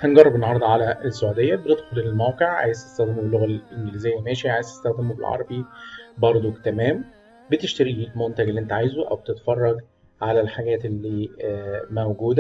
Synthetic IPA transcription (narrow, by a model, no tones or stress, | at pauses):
hænɡɑrˤːebenːɑhɑɾˤd̪ˤɑʕalæesːoʕud̪ejːæbened̪xoleelmæwqeʕʕa̰ːjese̥st̪æxd̪ɪmobelːoɣælʔenɡliːzejːæmæːʃiʕaːjese̥st̪æxd̪æmobelʕɑ̰ɾˤɑbibɑɾˤd̪ˤot̪æmæːm | bet̪eʃt̪æɾiiːkmont̪æɡelːʔent̪æʕajzuʔæ̰wbet̪et̪fɑrˤːɑɡ | ʕalælħaɡæːt̪elːiː | mæwɡuːd̪æ